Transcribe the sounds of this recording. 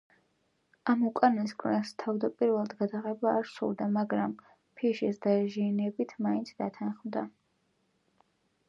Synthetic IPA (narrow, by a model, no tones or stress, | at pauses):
amukʼanɛskʼʰnɛst̪ʰavd̪apʼiɾvɛlˠad̪ɡad̪aʁɛbaːɾsṵlˠd̪amaɡɾam | pʰiʃisd̪aɛʒiːnɛbit̪ʰmaint̪sʰd̪at̪ʰanχmd̪a